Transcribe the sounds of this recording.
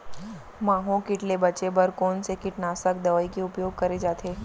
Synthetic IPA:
mãːɦõkɪʈlebɐt͡ʃebɐɾkoːnsekɪʈnaːsək̚d̪ɐʋəikeʊpjoːɡ̚kɐɾed͡ʒaːt̪ʰeː

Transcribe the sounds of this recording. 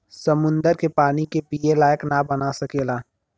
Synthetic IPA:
sɐmʊ̃nd̪əɾkepaːnikepiːelaːjəknabɐnasɐkeːlaː

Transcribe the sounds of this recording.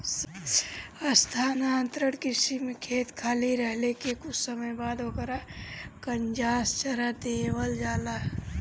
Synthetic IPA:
s | əst̪ʰaːnaənt̪ɾəɽkɪsimekʰeːt̪kʰaːliɾəɦlekekʊt͡ʃʰsəməjbaːd̪ɦokəɾakənd͡ʒaːst͡ʃəɾad̪eːwəld͡ʒaːla

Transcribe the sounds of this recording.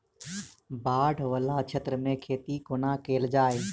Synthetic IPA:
baːɖʱʋəlaːt͡ʃʰət̪ɾəmẽkʰeːt̪ikoːnaːkeːld͡ʒaːeː

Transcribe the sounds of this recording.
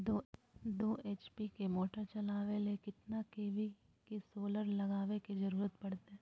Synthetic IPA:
d̪o | d̪oːʔeːt͡ʃpikemoːʈəɾt͡ʃɐlaːʋelekɪt̪nakeːʋi | kesoːləɾlɐɡaːʋekizɐɾuːɾət̪̚pɐɽt̪eɦɛ̃ː

